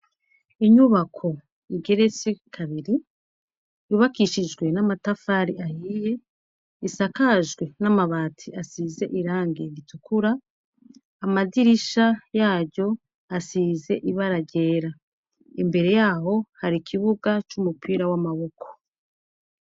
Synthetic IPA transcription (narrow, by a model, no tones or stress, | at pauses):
iɲuβakʰo̞ | iɡe̞ɾe̞t͡sekʰaβiɾi | juβakiːʃid͡ʒɡwe̞namatafaːɾiʔahiːje̞ | isakaʒɡwe̞namaβaːtʰiasiːze̞ʔiɾaːŋɡe̞ɾitukʰuɾaː | madiɾiʃajaːɟo̞ | asiːze̞ʔiβaɾaɟe̞ːɾa | imbe̞ɾe̞jaːho̞haɾikʰiβuɡat͡ʃumupʰiːɾawamaβo̞kʰo̥